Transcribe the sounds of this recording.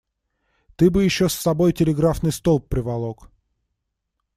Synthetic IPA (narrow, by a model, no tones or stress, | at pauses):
t̪ɨbɨjɪɕːosːɐbo̞jtʲɪlʲɪɡɾafnɨjst̪olˠpːɾʲɪvɐlˠok